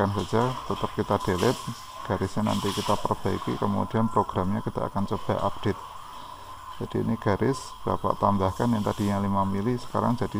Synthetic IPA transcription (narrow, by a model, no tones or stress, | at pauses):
ansad͡ʒ̥at̪ət̪əp̚kit̪ad̥elɪt̪̚ | ɡ̥aɾɪsɲana̰nt̪ikit̪apərb̥aḭkḭkəmṵd̥i̤anpɾoɡ̥ɾamɲakid̥aʔa̰kant͡ʃəb̥a̰ʔap̚d̥et̪̚ | d͡ʒ̥ad̥iḭniɡ̥aɾʔɪs | b̥apa̰ʔt̪ambahkanjaŋt̪ad̥iɲalimamilisə̥ka̰ɾa̰ŋd͡ʒ̥a̤d̥i